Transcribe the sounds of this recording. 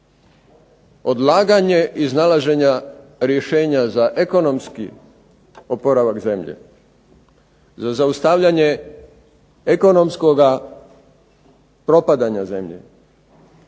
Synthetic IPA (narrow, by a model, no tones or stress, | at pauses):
o̞d̪lˠaːɡaɲe̞ʔiznalaʒe̞ɲaɾjeʃeːɲazaʔe̞ko̞no̞mskḭ | opo̞ɾaʋakze̞mʎḛ | zazaust̪aʋʎaɲe̞ | eko̞no̞msko̞ɡa | pɾo̞pad̪aɲaze̞mʎḛ